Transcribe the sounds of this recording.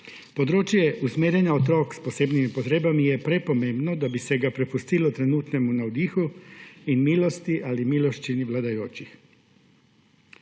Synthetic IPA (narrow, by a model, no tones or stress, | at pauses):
pod̪ɾoːt͡ʃjɛʔusmeːɾenjaot̪ɾoːksposeːbnimipot̪ɾeːbamijɛpɾepomeːmbnod̪abisɛɡapɾɛfust̪ilot̪ɾenuːt̪nɛmunaod̪iːxuinmiːlost̪iʔalimiːloʃt͡ʃiniʋlad̪ajoːt͡ʃix